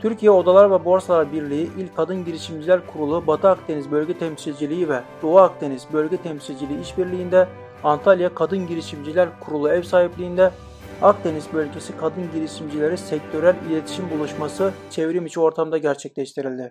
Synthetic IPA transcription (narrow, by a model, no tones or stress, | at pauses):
t̪ʰyɾcʰijɛo̞d̪alˠaɾvɛbo̞ɾsalˠaɾbiɾlʲiiʔilʲcʰːad̪ɯnɟiɾiʃimd͡ʒilʲæɾkʰuɾulˠubat̪ʰɯakd̪e̞nizbølʲɟɛt̪ʰɛmsilʲd͡ʒilʲiivɛd̪̥oaːk̚d̪ʰe̞nizbølʲɟɛt̪ʰɛmsilʲd͡ʒilʲiːiʃbiɾlʲijːnd̪ɛ | ant̪ʰalʲjakʰad̪ɯnɟiɾiʃimd͡ʒilʲæɾkʰuɾulˠuɛvsaːɦiplʲiːnd̪ɛ | ak̚d̪e̞nizbølʲɟʲe̞sikʰad̪ɯnɟiɾiʃimd͡ʒilʲe̞ɾisɛc̚t̪ʰø̞ɾælʲilʲet̪ʰi̥ʃimbulˠuʃmasɯt͡ʃʰevɾimit͡ʃʰio̞ɾt̪ʰamd̪aɟæɾt͡ʃʰɛc̚ʲlʲɛʃt̪ʰiɾilʲd̪ɪ